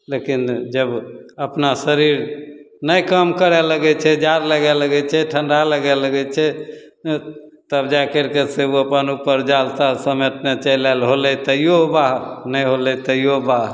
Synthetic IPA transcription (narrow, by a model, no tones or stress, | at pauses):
lekind͡ʒəbəpnasəɾiɾ | nəjkəmkəɾɛləɡɛt͡ʃʰɛd͡ʒaɾləɡɛləɡɛt͡ʃʰɛʈʰəɳɖaləɡɛləɡɛt͡ʃʰɛ | t̪əbd͡ʒakəɾkeseuəpənupəɾd͡ʒalt̪asəmet̪net͡ʃəlalɦolɛt̪əjjobaɦnəjɦolɛt̪əjobaɦ